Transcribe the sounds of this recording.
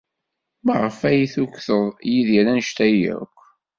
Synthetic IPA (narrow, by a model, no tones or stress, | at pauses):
məʁəfæjiθukθəðˤjiðjəɾænəʃt̪æjæ̰kʷː